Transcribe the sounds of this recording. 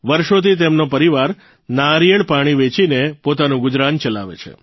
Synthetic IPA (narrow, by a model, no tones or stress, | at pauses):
ʋəɾʃot̪ʰit̪̬emnopəɾiʋaɾ | naɾijəɭpaɽ̃iʋet͡ʃinepot̪anũɡʊd͡ʒɾant͡ʃəla̰ʋḛt͡ʃʰḛ